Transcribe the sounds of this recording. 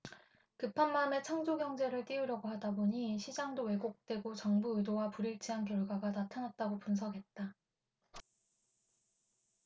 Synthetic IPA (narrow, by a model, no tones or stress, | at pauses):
kɯpʰanmame̞t͡ɕʰaŋd͡ʑoɡjʌŋd͡ʑe̞ɾɯɭt͈iuɾjʌɡohadaboɲiɕʰid͡ʑaŋdowe̞ɡok̚t͈we̞ɡot͡ɕʌŋbuɯdowapuɾiɭt͡ɕʰiɦankjʌɭɡwaɡanatʰanat̚t͈aɡopuns̬ʰʌɡe̞t̚t͈a